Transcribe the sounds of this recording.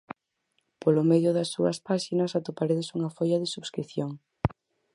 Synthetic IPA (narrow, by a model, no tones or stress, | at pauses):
polomeðjʊðɐsːuɐspaʃinɐsat̪opaɾeðesuŋɐfojɐðɪsuβskɾiθjoŋ